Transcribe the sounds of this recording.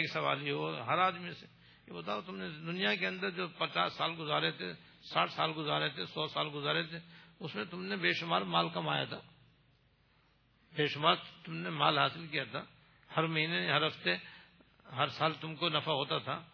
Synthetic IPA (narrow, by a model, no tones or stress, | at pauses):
eːksɐʋa̰ːliɦoːɦɐɾaːd̪mise̥ | jebɐt̪aːot̪ʊmned̪ʊnijakeɐ̃nd̪əɾd͡ʒoːpɐt͡ʃa̰ːsːaːlɡʊzaːɾet̪ʰḛ | saːʈʰsaːlɡʊzaːɾet̪ʰesɔːsaːlɡʊzaːɾet̪ʰeʊsmẽt̪ʊmnebeːʃʊmaːɾmaːlkɐmaːja̰t̪ʰaː | beːʃʊmaːɾt̪ʊmnemaːlɦaːsɪlkijat̪ʰaː | hɐɾmɐɦiːneɦɐɾɦɐft̪e | ɦɐɾsaːlt̪ʊmkonɐfaɦoːt̪at̪ʰaː